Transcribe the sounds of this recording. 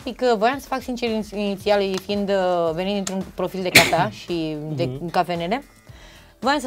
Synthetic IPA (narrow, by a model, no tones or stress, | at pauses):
tikəvəjamsə̥faksint͡ʃeɾinit̪sialujfiːnd̪ve̞nit̪d̪int̪ɾunpɾo̞fild̪e̞kafeaʃid̪ekafeneɾe | vəjamsə